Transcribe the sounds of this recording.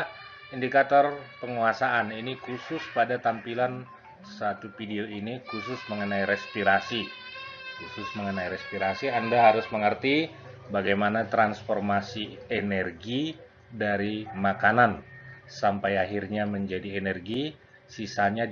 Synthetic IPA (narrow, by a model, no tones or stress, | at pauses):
indikat̪ɔrpəŋuasaʔaninikusʊspadat̪ampilan | sat̪ufideoinikusʊsməŋənaiɾɛspiɾasi | kusʊsməŋənaiɾɛspiɾasiandaɦaɾʊsməŋərt̪i | baɡajmanat̪ɾansfɔrmasienɛrɡi | daɾimakanansampajaɦirɲaməɲd͡ʒadienɛrɡi | sisaɲa